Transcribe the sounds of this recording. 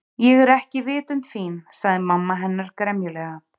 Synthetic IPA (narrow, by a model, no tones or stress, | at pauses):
jɛɣɛɾɛhcɪvɪːt̪ʏnt̪fiːnsaɣðɪmamːaɦɛnːaɾ̥kɾɛmjʏlɛːɣa